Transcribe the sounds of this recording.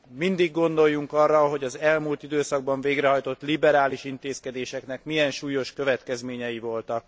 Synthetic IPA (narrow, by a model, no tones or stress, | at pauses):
mind̪iɡːo̞nd̪o̞jːuŋkɒrːɒɦo̞ɟɒzɛlmuːlt̪id̪øːsɒɡ̚bɒɱveːɡɾɛɦɒjt̪o̞t̪ːlibɛɾaːliʃint̪eːskɛd̪eːʃɛknɛkmijɛnʃuːjo̞ʃkø̞vɛt̪kɛzmeːɲɛjivo̞lt̪ɒk̚